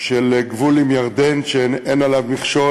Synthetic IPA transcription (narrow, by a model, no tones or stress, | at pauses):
ʃeleɡvulimjaʁd̪enʃenenalavmiχʃo